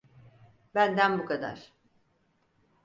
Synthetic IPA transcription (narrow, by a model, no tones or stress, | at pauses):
bænd̪ænbukʰad̪a̰ɾ̥